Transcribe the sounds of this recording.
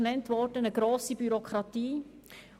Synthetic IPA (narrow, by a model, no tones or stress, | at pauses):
nɛntvɔɾdənəɡɾoːsibyɾokʰʁɾɑtiː